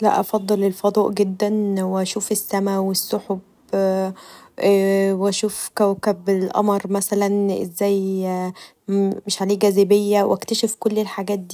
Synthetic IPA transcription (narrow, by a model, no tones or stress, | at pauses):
læ̰ʔɑfɑd̪ˤːɑlelfɑd̪ˤɑːʔɡed̪ːænweʔæʃuːfesːæmæwesːoħob | wæʃuːfkæwkæbelʔɑ̰mɑɾˤmæsælænʔḛzːæːj | meʃʕaleːɡæzæbejːæwʔæ̰kt̪æʃefkolːelħaɡæːt̪̚d̪iː